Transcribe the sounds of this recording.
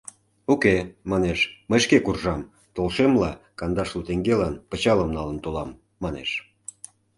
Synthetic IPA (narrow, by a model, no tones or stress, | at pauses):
ukemɑneʃməjʃkekurʒɑm | t̪olʃemlɑkɑnd̪ɑʃlut̪eŋɡelɑnpə̆t͡ɕɑləmnɑlənt̪olɑmː | ɑnḛʃ